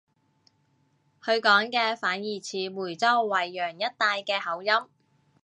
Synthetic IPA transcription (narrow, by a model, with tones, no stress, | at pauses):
hɵ˧ɥkɔː˨˥ŋkɛː˧faː˨˥njiː˨˩t͡sʰiː˨˩muː˨˩jt͡sɔː˥wwɐ˨˩jːœː˨˩ŋjɐ˥t̚t̪aː˧jkɛː˧hɐ˨˥wjɐ˥m